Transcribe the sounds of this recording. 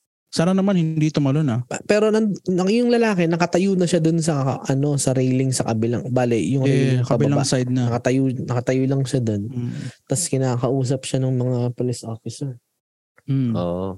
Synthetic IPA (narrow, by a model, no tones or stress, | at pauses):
saɾanɐmanhɪnd̪it̪ʊmɐlonapɐpɛːɾo̞nɐɐjʊŋlɐlaːkɛnɐkɐt̪ɐjuːnɐʃad̪ons̬ɐʔɐno̞sɐɾejlɪŋsɐkɐbɪla̰ŋbaːlɪjʊŋejkɐɐbɪɐlabŋsajd̪̚nɐɐkɐt̪ɐjunɐkɐt̪ɐjʊːlɐŋʃad̪ont̪ɐskɪnaːkɐʔuːs̬ɐp̚ʃanɐŋmɐŋapolisʔoːfɪsɛɹ̩ | ʔoːʔo